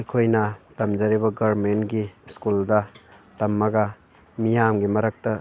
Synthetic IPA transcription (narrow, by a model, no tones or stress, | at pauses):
ɐjkʰojnɐtɐmd͡ʒɐɾibɐɡɐɾmentɡiskuldɐtɐmːɐɡɐ | mijamɡimɐɾak̚tɐ